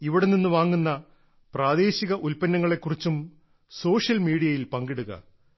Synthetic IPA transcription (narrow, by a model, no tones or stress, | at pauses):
iʋiɽeninːuʋaːŋːunːɐ | praːd̪e̞ːɕiɣɐʔulpɐnːɐŋːɐɭe̞kːurit͡ɕːum | so̞ːʂjɐlmiːɽijɐjilpɐŋɡiɽuɣɐ̰